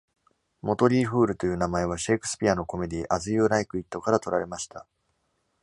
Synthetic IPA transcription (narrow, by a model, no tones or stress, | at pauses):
mo̞t̪o̞ɾʲiːɸɯ̟ːɾɯ̟t̪o̞jɯ̟ːnamae̞β̞aɕe̞kɯ̟̥sɨ̥pʲiano̞ko̞me̞d̪ʲiːʔazɨjɯːɾaikɯ̟it̪ːo̞kaɾat̪o̞ɾaɾe̞maɕi̥t̪a